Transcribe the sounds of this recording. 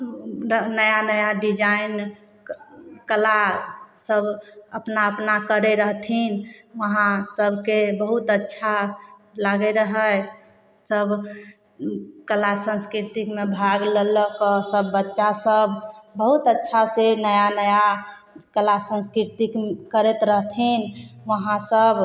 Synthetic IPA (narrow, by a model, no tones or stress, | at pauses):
nəjanəjaɖid͡ʒain | kəlasəbʱəpnaəpnakəɾeɾəɦt̪ʰinʋəɦãsəbʱkebəɦut̪ətːʃʰalaɡɛeɾəɦə | səbʱ | kəlasə̃nskɾiɾt̪ikmebʱaɡlələkəsəbːətːʃasəbʱbəɦut̪ətːʃʰasenəjanəja | kəlasə̃nskɾiɾt̪ikkəɾet̪ɾəɦt̪ʰinʋəɦãsəb